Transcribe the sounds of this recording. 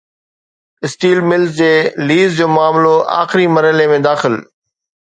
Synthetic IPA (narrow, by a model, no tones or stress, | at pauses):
ɪsʈiːlmɪlzd͡ʑeːliːzd͡ʑoːmʊaːmloʔa̰ːxɪɾimɐɾəɪlemẽd̪aːxɪl